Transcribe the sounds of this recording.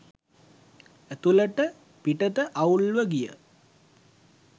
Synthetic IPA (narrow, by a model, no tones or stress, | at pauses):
æt̪uləʈə | piʈət̪əʔaulʋəɡijə̰